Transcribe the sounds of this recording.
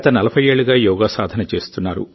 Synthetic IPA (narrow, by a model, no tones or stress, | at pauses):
t̪ɐnɐlɐpʰɐje̞ːɭːuɡaːjɔːɡaːsaːd̪ʱɐnɐt͡ʃe̞ːst̪unːaːɾṵ